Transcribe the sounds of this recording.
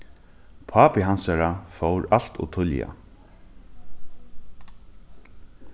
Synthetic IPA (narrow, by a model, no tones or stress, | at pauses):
pʰaːpɪɦansaɾafowɾal̥t̪ṵt̪ʰʊlja̰